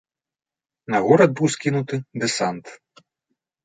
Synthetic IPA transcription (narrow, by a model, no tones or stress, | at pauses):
nɐɣɔɾɐd̪̚bɨwskʲinut̪ɨd̪ɛsant̪